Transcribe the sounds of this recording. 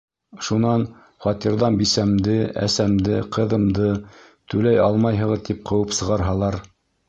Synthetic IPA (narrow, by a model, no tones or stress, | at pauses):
ʃunɑn | χɑt̪iɾðɑnbisæmd̪ɘæ̰sæmd̪ɘqɤ̆ðɤ̆md̪ɤ | t̪ʉlæjɑlˠmɑjɦɤ̆ʁɤt̪ip̚qɤ̆wɤpsɤ̆ʁɑɾɦɑlˠɑɾ